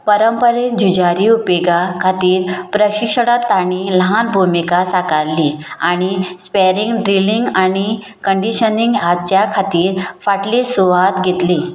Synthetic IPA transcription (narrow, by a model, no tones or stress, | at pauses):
pəɾəmpəɾend͡ʑud͡ʑaɾiupeɡakʰat̪iːɾpɾəɕikʂəɽ̃at̪ːaɽ̃iləɦanbʱumikasakaɾliaɽ̃ispeɾĩŋɡɖɾiliŋɡaɽ̃i | kəɳɖiɕəniŋɡɦat͡ɕjakʰat̪iːɾfaʈlisuʋat̪ɡʱet̪liː